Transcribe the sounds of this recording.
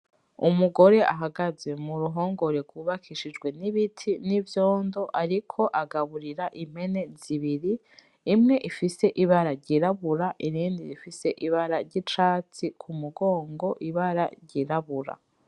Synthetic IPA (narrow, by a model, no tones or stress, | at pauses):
umuɡo̞ɾe̞ʔa̰ɦaɡaze̞muɾuɦo̞ːŋɡo̞ɾeɡwuβakʰiʃid͡ʒɡwe̞niβitʰinivjo̞ːndo̞ʔaɾikʰo̞ʔaɡaβuɾiɾaʔim̥he̞ne̞ziβiɾiː | mŋe̞ʔifise̞ʔiβaɾaɾɟiɾaβuɾaʔiɾiːndiɾifise̞ʔiβaɾaɾɟit͡ʃaːt͡sikʰumuɡo̞ːŋɡo̞ʔiβaɾa̰ɾɟiɾaβuɾa̰